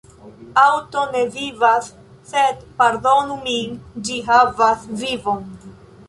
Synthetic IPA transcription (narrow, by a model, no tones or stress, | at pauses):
awto̞ne̞vivasː | e̞dpaɾdo̞numind͡ʒiɦavasvivo̞n